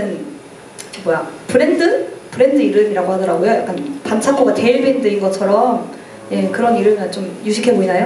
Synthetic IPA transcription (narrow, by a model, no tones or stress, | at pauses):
ɯn | mwʌjapɯɾe̞ndɯpɯɾe̞ndɯiɾɯmiɾaɡoɦadʌɾaɡojoja̰k͈anpant͡ɕʰaɡ͈oɡate̞iɭbe̞ndɯinɡʌt͡ɕʰʌɾʌm | je̞kɯɾʌniɾɯmɯt͡ɕomjuɕʰikʰe̞boinajo